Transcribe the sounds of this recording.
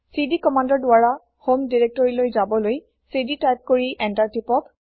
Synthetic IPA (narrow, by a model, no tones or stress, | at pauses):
sidikɔmandɔɹdʊaɹa | homdiɹɛk̚tɔɹilojzabɔloj | siditajp̚koɹiʔɛntaɹtipɔk